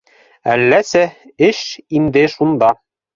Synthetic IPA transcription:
ælːæsæɘʃind̪ɘʃund̪ɑ

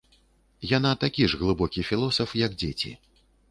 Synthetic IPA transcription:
janat̪akʲiʐɣlˠɨbɔkʲifʲilˠɔsɐfjɐɡd͡zʲet͡sʲḭ

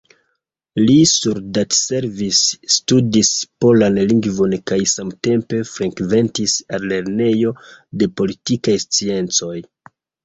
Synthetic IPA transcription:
lisuɾdatse̞ɾvisːtudispo̞lanliŋɡvo̞nkajsamte̞mpe̞fɾekve̞ntisalle̞ɾne̞jo̞de̞po̞litikajst͡sie̞nt͡so̞j

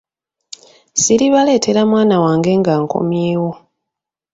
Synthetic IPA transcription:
siɾiβale̞ːtʰe̞ɾamwaːnawaːŋɡe̞ːŋɡaːŋko̞̰mjeːwo̞

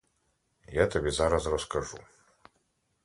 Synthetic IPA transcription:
jat̪abʲɛzaɾasrɔskaʐṵ

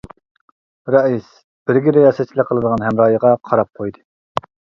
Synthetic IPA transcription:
ɾɑis | b̥ɪɾɡʲiɾejɑsɛt̪t͡ʃʰːilɪqʰəlˠɨd̪əʁɑnɦɛmɾɑːjəʁɑqʰɑɾɑp̚qʰojd̪ɨ

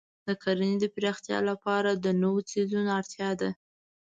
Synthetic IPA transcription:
d̪əkaɾanid̪əpɾext̪jɑ̰lapɑɾad̪ənowot͡sezunaɾt̪jɑd̪a

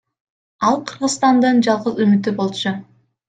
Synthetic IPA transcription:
ɑlˠqʰɯɾʁɯ̆zst̪ɑnd̪ɯnd͡ʒɑlˠʁəzymyt̪ybo̞lˠt͡ʃʊ

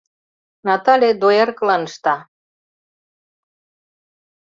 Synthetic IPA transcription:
nɑt̪ɑlʲed̪ojerkɤlɑnʃt̪ɑ

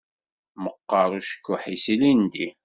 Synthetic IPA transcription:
məqːɑɾˤuʃə̥kːʊħisilind̪i

